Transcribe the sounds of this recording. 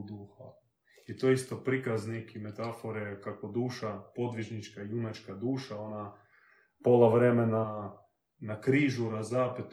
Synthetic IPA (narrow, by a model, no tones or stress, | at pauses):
d̪uːxa̰ | it̪oist̪opɾikaznikimet̪afoɾekakod̪uːʃapo̞d̪ʋiʒnit͡ʃkaijumat͡ʃkad̪uːʃaona | polˠaʋɾemena | nakɾiːʒuɾazaːpit̪